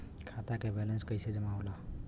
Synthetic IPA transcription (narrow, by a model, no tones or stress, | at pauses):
kʰat̪akebɛlənskəjsed͡ʒəmaɦola